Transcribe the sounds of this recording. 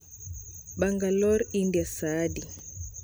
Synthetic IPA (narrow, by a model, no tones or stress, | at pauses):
baŋɡalɔɾindiasaːdi